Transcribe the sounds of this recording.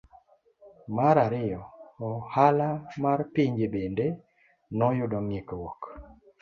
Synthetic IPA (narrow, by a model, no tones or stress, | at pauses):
maɾaɾɪjɔːhalamarpiɲd͡ʒebende | nɔjʊdɔŋɪkwɔk